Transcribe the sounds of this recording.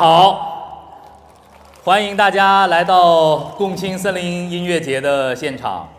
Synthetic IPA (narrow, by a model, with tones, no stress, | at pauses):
xɑ˨˩˦ʊ | xwa˥ni˧˥ŋt̪a˥˩t͡ɕja˥la˧˥ɪt̪ɑ˥˧ʊkʊ˥˩ŋt͡ɕʰi˥ŋsə˥nli˧˥ŋi˥nɥɛ˥˩t͡ɕjɛ˧˥d̪ə˧ɕjɛ˥˩nʈ͡ʂʰɑ̰˨˩˦ŋ